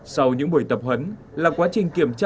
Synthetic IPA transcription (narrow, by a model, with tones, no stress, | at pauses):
sa˧wɲɨ̰˧˥ŋɓu˧˩əjt̪ə˨˩p̚hə˨˦n | laː˨˩kwaː˨˦t͡ɕï˨˩ŋ̟ki˧˩əmt͡ɕa˧